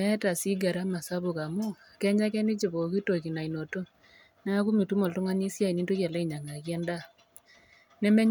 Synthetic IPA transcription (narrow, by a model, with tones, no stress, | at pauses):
ɛ˦ta˨si˦ɡa˨ɾa˦ma˨sa˦βo˨ka˨mo˦˨kɛ˦ɲa˦kɛ˦ni˦t͡ʃe˨βo˨ki˦to˨ki˨na˨i˨no˨to˦ | n˦a˦ku˦mi˨tu˦mo˨lto˦ŋa˦ni˦sja˦i˨ni˦nto˦ka˨la˦i˦˨ɲa˨ŋa˨kjɛ˦nda˦˨ | nɛ˦mɛ˦ɲ